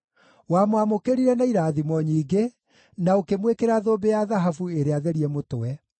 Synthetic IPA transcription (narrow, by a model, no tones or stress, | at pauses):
wamowamokeɾiɾɛnaiɾaːðimɔɲiːɡe | naokemwekeɾaðoːbejaðaɦafueɾeaðeɾiɛmotowɛ